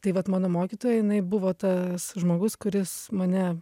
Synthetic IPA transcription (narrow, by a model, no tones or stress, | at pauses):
t̪ɐɪʋɐt̪mɑːnoːmoːkʲit̪oːjɛjɪnɐɪbʊʋoːt̪ɐsʒmoːɡʊskʊɾʲɪsmɐnʲɛ